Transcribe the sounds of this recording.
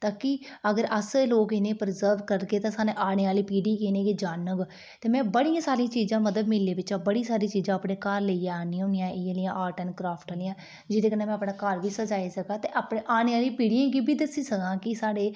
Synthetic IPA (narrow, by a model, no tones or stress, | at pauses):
t̪aːkiəɡəɾəsloːkɪnẽːpəɾzəɾʋkəɾkeːt̪ãːsaːnẽːʔaːneːaːliːpiːɽiːkenẽːkiːd͡ʒaːnəɡ | t̪eːmɛ̃ːbəɽijãːsaːɾiãːt͡ʃiːzãːməd̪əd̪mɪlːeːʋɪt͡ʃãːbəɽiːsaːɾiːt͡ʃiːzãːəpɽeːkəɾleːijãːnĩonijãːʔeːaːlɪjãːʔaːʈənkɾaːpʰʈaːlɪjãː | d͡ʒɪd̪eːkəneːmɛ̃ːəpɳãːkəɾʋiːsəd͡ʒaːisəkaːt̪eːʔapɳẽːʔaːneːaːlĩːpiːɽijãːɡiːbiːd̪əsiːsəɡãːkɪsaːɽeː